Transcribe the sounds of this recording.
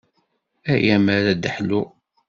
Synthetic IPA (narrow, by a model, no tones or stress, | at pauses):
æjæmæɾæd̪əħlu